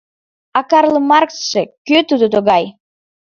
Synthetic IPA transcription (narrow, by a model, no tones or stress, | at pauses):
ɑkɑrlˠəmɑrkʃekøt̪ud̪ot̪oɣɑj